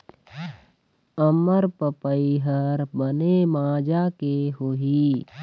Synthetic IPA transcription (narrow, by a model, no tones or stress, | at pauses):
əməɾpəpəiɦəɾbənemãːd͡ʒakeɦoːɦi